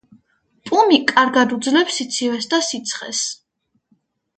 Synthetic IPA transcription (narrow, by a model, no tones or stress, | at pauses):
pʼumikʼaɾɡad̪ud̪zlɛpsit̪sʰivɛsd̪asit̪sʰχɛ̰s